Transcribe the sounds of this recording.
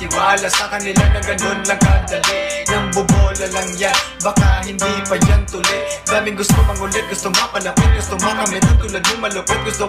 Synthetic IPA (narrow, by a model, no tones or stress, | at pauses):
t̪ɪwaːlɐsɐkɐnɪlanɐɡɐnonnɐɡad̪ɐlɪnɐŋbʊboːlɐlɐŋja | bɐkahɪnd̪ipɐd͡ʒant̪ʊlɪj | d̪aːmɪŋɡʊst̪omɐŋʊlɛt̪̚ɡʊst̪omɐpɐlɐpɪt̪̚ɡʊst̪ʊmakɐmɛt̪ot̪ʊlɐd̪nʊŋmɐlʊkot̪̚ɡʊst̪o